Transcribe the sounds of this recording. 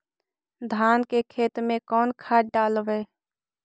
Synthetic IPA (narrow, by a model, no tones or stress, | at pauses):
d̪ʱaːnkekʰeːt̪mẽkɔːnkʰaːʈ̚ɖaːlʋeː